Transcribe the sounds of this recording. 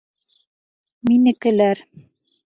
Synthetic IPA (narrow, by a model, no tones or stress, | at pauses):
minɘ̆kɘ̆læɾ